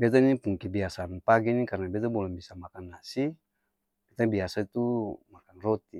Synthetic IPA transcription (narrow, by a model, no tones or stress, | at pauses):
bɛt̪̬anipuŋkibiasanpaɡinikarnabɛt̪abɔlɛbisamakanːasi | kit̪abiasait̪umakanrɔt̪i